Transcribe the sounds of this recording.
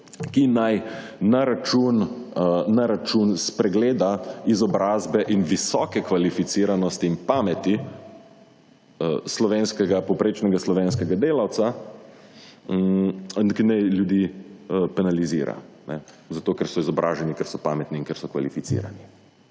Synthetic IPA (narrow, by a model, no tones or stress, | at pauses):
kinaj | naɾat͡ʃun | naɾat͡ʃunspɾɛɡleːd̪aizɔbɾaːzbɛʔinʋisɔkɛkʋalifit̪siːɾanɔst̪iːnpaːmɛt̪i | əslɔʋeːnskɛɡapɔwpɾeːt͡ʃnɛɡaslɔʋeːnskɛɡad̪eːlawt̪sa | nkinɛjljud̪iːəpɛnalizḭːɾa̰nɛ | zat̪oːkɛɾsɔizɔbɾʔaːʒɛnikɛɾsɔpaːmɛt̪niiŋkɛɾsɔkʋa̰lifitsḭːɾa̰ni